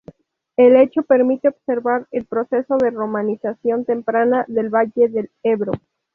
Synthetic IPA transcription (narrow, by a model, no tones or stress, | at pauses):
e̞le̞t͡ʃo̞pe̞ɾmit̪eobse̞ɾβaɾelpɾo̞se̞so̞ðe̞ro̞mãnisasjo̞nt̪empɾanaðe̞lβaʝe̞ðeleβɾo